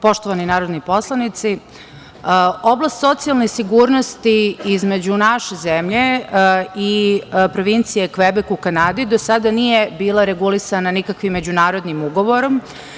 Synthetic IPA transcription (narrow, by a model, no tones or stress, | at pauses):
po̞ʃt̪oʋaninaːɾod̪nipo̞slˠanit̪si | o̞blˠast̪so̞t̪sijalˠnesiɡuːɾnost̪iizme̞d͡ʑunaʃezemʎe̞ | ipɾo̞ʋint̪sijekʋebekuukanad̪id̪osad̪anijebiːlˠaɾeɡulisananikakʋimːe̞d͡ʑunaːɾo̞d̪nimuɡo̞ʋo̞ɾo̞m